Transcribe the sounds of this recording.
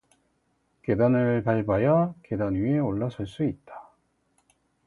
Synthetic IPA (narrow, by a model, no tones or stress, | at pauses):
ke̞danɯɭpaɭbajʌke̞danɥie̞oɭːasʰʌɭs͈uit̚t͈ḁ